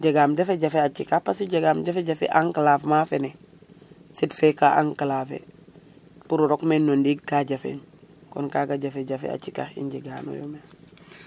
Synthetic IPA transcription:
ɟeɡamɟafeɟafeat͡ʃikapasiɟeɡamɟafeɟafḛʔaŋkalafmafene | sitfekaʔa̰ŋkalaːfḛ | puɾuɾokmenːondiɡ̚kaɟafḛɲkɔnkaɡaɟafeɟafḛa̰t͡ʃika̰ḭɲɟeɡa̰ːno̰jo̰me

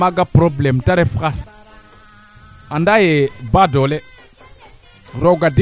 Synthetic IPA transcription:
aɡapɾoblemtaɾefəkaɾ | andajebadole | ɾoɡadi

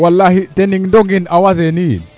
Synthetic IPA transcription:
walːahitɛniŋndɔɡinawazɛnin

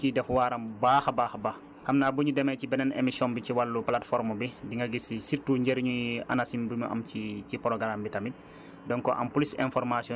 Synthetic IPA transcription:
kidɛfwaːɾɐmbaːxbaːxbax | xɐmnaːbuɲudɛmɛcibɛnɛnḛmisjɔnbiciwalːuplatfɔɾmubidiŋɡɐɡisisiɾtuːɲɟɛɾɲuɐ̰nasimbuɲuʔɐ̰mcicipɔɾɔɡɾambitɐmit̚ | dɔnkɔʔɐ̰mpulisɛnfɔɾmasiɔ

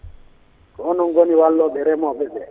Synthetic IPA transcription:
kɔnɔŋ̩ɡoniwalːɔbɛɾɛmɔbɛbɛ

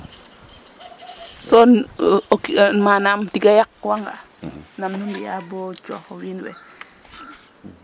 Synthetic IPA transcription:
sonokinmanamtiɡajak̚waŋɡa | namnumbijabot͡ʃohowinwḛ

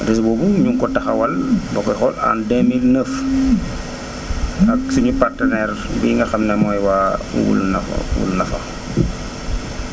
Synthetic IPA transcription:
rɛs̬bɔːbuɲuŋkɔtɐxɐwɐlbɐkɔxɔla̰ndɛmilnəf | ɐksuɲupartɐnɛːrbiŋɡɐxɐmnɛmɔːjwaːwṵɡṵlnɐfwṵlnɐfɐ̰

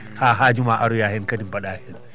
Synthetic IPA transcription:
haːɦaːd͡ʒumaʔaɾujaːhɛnkɐtimpaɗaːhɛn

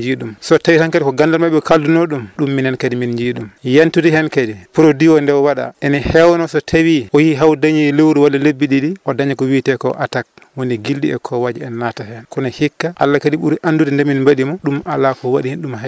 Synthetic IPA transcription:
d͡ʒiɗumsɔtawihankadikɔɡandalmaɓɛkaldunoɗumɗumːinhɛnkadiminɲd͡ʒiɗumjantudihɛnkadipuɾodiwɔndɛwwaɗa̰ʔɛnihɛwnɔsɔtʰawiʔɔjiɦawdaɲilewɾiwalːalebːiɗiɗiʔɔdaɲakɔwitɛkɔ̰ʔatak̚woniɡildḭɛ̰kʰɔwad͡ʒiɛnːatahɛkunahikːaʔalːakadiɓṵɾiʔandudɛndɛminbaɗimɔɗumalːakɔwaɗihinɗumɦa

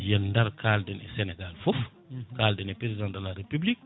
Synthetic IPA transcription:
jɛndaɾkʰaːldɛnɛ̰sɛnɛɡalfɔf | kaːldɛnɛpɾezidãŋdəlaɾepyblik̚

